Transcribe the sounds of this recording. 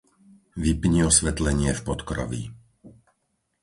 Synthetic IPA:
ʋipɲiɔsʋɛt̪lɛɲɪɛfpɔt̪kɾɔ̰ʋḭ

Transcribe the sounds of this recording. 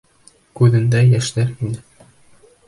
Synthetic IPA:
kʉðɘ̆nd̪æjæʃlæɾinɘ

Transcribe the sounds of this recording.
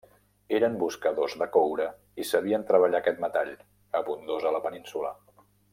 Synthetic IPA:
eɾəmbuskəðozðəkowɾə | isəβiənt̪ɾəβəʎakɛt̪̚mət̪aʎ | əβund̪ozələpəninsulə̰

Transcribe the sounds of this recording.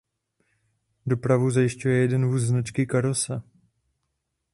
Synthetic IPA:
do̞pɾavuzajɪʃcujɛjɛdɛnvuːsznat͡ʃkɪkaɾosa

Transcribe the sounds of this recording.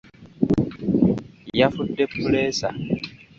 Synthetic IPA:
jafutːepːulesa̰

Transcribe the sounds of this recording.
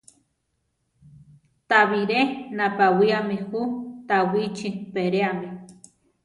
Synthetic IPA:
t̪aβiɾenapawiamihut̪awit͡ʃipeɾeami

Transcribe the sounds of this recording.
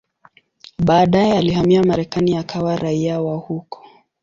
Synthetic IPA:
ɓaːɗajɛalihamiamaɾɛkaniakʰawaɾaiawahukʰɔ̥

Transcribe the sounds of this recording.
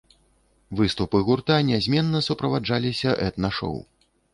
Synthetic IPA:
vɨst̪upɨɣurt̪anʲɛzʲmʲɛnːɐsupɾɐvad͡ʐalʲisʲɐʔɛt̪naʂɔ̰w

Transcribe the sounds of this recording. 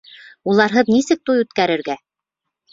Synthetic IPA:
ulˠɑɾɦɤðnisɘk̚t̪ujʉt̪kæɾɘ̆ɾɡæ

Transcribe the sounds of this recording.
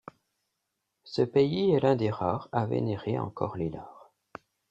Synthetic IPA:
səpeiɛlɛ̃d̪eʁaːʁavḛneʁeɑ̰̃kɔʁlelaːʁ

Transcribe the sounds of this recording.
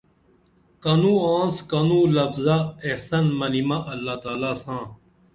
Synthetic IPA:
kɐnũːãːnskɐnũːlɐfzaehsɐnmɐnimaʔɐlːaːt̪aːlaːsãː

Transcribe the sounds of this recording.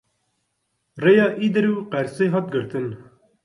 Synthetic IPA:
reːjɑːʔiːd̪ɨɾuːqɛɾseːɦɑːt̪̚ɡɨɾt̪ɨn

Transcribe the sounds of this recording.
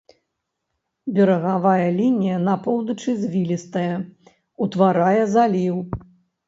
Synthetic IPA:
bʲɛɾɐɣavajɐlʲinʲijɐnapɔwd̪ɐt͡ʂɨzʲvʲilʲist̪ɐjɐ | ut̪vaɾajɐzalʲiw

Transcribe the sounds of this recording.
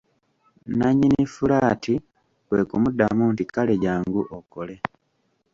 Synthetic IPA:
naɲːinifulaːtʰi | we̞kumudamuntikaleɟaːŋɡuʔokole

